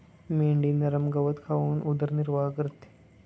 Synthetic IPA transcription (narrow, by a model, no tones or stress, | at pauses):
meɳɖiːnɐɾəmɡɐʋət̪kʰaʋuːnʔud̪əɾniɾʋakɾt̪